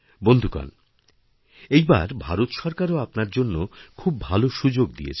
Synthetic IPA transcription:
bond̪ʱuka̰n | ejba̰ɾbʱaɾot̪ʃɔɾkaɾoapnaɾd͡ʑonːokʰubːʱaloʃud͡ʑoɡ̚d̪ḭjḛt͡ɕʰ

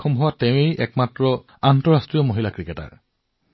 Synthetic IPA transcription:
ɔmɦʊwateʊ̃ejɛ̰kmatɹɔ | antɔɹastɹijɔmoɦilakɹikɛta̰ɹ

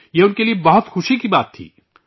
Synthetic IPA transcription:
jeːʊnkeliebɐɦʊt̪xʊʃikibaːt̪ʰːḭː

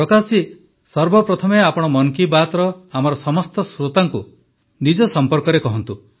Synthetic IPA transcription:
ɾɔkasi | sɔɾbɔpɾɔt̪ʰɔmeapɔɽ̃ɔmɔŋkibat̪ɾɔamɔɾɔsɔmɔst̪ɔsɾot̪aŋku | nid͡ʒɔsɔmpɔɾkɔɾekɔɦɔnt̪u

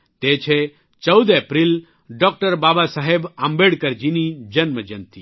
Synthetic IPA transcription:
t̪et͡ʃʰe | t͡ʃəwd̪epɾil | ɖɔk̚ʈəɾbaːbasaɦebambeɽkɐɾd͡ʒinid͡ʒɐnməd͡ʒɐnt̪i

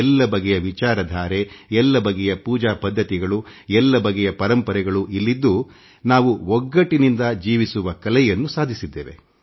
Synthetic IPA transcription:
ɛlːɐbɐɡɛjɐʋit͡ʃaːɾɐd̪ʱaːɾeɛlːɐbɐɡɛjɐpuːd͡ʒaːpɐd̪ʱːɐt̪iɡɐɭuɛlːɐbɐɡɛjɐpɐɾɐmpɐɾɛɡɐɭuʔilːid̪ːu | naːʋuɔɡːɐʈinind̪ɐd͡ʒiːʋisuʋɐkɐlɛjɐnːusaːd̪ʱisid̪ːeːʋḛ

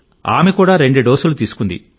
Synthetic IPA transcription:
a̰ːmekuːɽaːɾe̞ɳɖuɖoːsulut̪iːsu̥kund̪ḭ

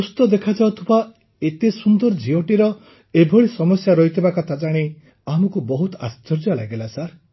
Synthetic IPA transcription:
ust̪ɔd̪ekʰad͡ʒawt̪ʰuba | et̪esund̪ɔɾd͡ʒioʈiɾɔ | ebʱɔɭisɔmɔsjaɾɔɦit̪ʰibakat̪ad͡ʒaɽ̃i | amɔkubɔɦut̪ɔa̰st͡ʃɔɾd͡ʒɔla̰ɡelasaɾ

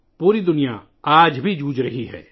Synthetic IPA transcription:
puːɾid̪ʊnija̰ | aːd͡ʒbʱid͡ʒuːd͡ʒɾəɦiɦɛ̰ː

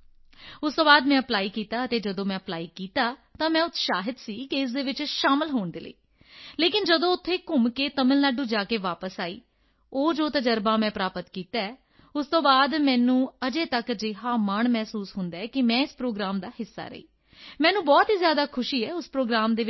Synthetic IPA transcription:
ʊst̪õːbaːd̪mɛ̃ːəplaːiːkiːt̪aːət̪eːd͡ʒəd̪õːmɛ̃ːəplaːiːkiːt̪aːt̪ãːmɛ̃ːʊt̪ʰːʃaːɦɪd̪siːkɪɪs̬d̪eːʋɪt͡ʃʃaːmɪlɦoːɳd̪ḛːlə̰ḭː | leːkɪnd͡ʒəd̪õːʊt̪ʰːeːkʊmkeːt̪əmɪlnaɖũːd͡ʒaːkeːʋaːpəsaːḭː | oːd͡ʒoːt̪ad͡ʒəɾbãːmɛ̃ːpɾaːpət̪kiːt̪aːɛː | ʊst̪õːbaːd̪mɛ̃ːnũːəd͡ʒeːt̪əkd͡ʒɪɦaːməɳmɛːsuːsɦʊnd̪aːɛːkɪmɛ̃ːɪspɾoːɡɾaːmd̪aːɦɪsːa̰ːɾə̰ḭː | mɛ̃ːnũːbɔːt̪ɦiːzjaːd̪aːkʰʊʃiːɛːʊspɾoːɡɾaːmd̪eː

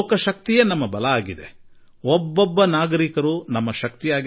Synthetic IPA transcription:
kɐʃɐk̚t̪ijɐnɐmːɐbɐlɐaːɡid̪e | ɔbːobːɐnaːɡɐɾikɐɾunɐmːɐʃɐk̚t̪ijaːɡ

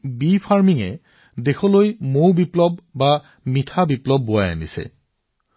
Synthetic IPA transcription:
bipʰaɹmiŋɛ | dexʰɔlojmowbiplɔbːa | mitʰabiplɔbːʊaja̰nisɛ̰

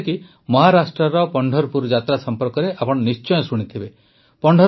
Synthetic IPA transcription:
ki | mɔɦaɾasʈɾɔɾɔpɔɳɖʱɔɾpuɾd͡ʒat̪ɾasɔmpɔɾkɔɾeʔapɔɽ̃ɔnist͡ʃɔjɔ̃suɽ̃it̪ʰibe | pɔɳɖʱɔ

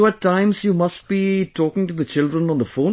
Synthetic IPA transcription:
oæʈʰːãɪ̃mzjumʌst̚b̥iʈʰɔːkɪ̃ŋʈud̪ət͡ʃɪlɖɾə̃nɔ̃nðəfõʊ̃

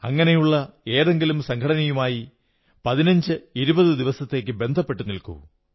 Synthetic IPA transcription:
ɐ̰ŋːɐnejuɭːɐe̞ːðe̞ŋɡilumsɐŋkʰɐɽɐnɐjumaːji | pɐðinɐɲd͡ʑɨiɾubɐðɨd̪iʋɐsɐt̪ːe̞ːkʲːɨbe̞nd̪ʱɐpːe̞ʈːunilkṵ

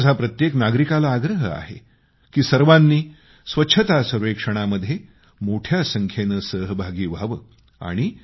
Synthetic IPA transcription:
d͡zʱapɾət̪jeknaɡɾikalaːɡɾəɦəa̰ɦḛ | kiːsəɾʋanːiː | sʋətːɕʰət̪asəɾʋekʂəɽ̃aməd̪ʱje | moʈʰjasəŋkʰjenəsəɦbʱaɡiːʋaʋəː | a̰ɽ̃i

